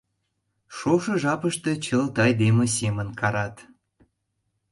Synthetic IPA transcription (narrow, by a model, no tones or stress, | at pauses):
ʃoʃɤ̆ʒɑpəʃt̪et͡ɕəlt̪ɑjd̪emĕsemənkɑɾɑt̪